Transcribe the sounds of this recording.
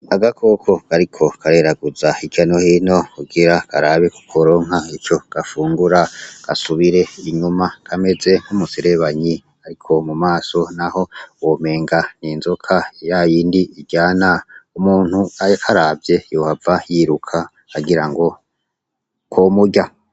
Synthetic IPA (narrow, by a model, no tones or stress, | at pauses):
aɡakʰo̞kʰo̞kaɾikʰo̞kʰaɾe̞ɾaɡuzaikjano̞hino̞kuɡiɾakaɾaβeku̥kʰoɾo̞ːŋɦait͡ʃo̞ɡ̥afuːŋɡuɾaɡ̥a̰suβiɾe̞iɲumakʰame̞ze̞ŋ̥umuseɾe̞βaɲi | aɾikʰo̞mumaːso̞naho̞wome̞ːŋɡaniːnzokʰajajiːndiiɡɟaːnaumuːn̥huakʰaɾaːbvje̞johavajiɾukʰa | kaɡiɾaŋɡo̞ | komuɟa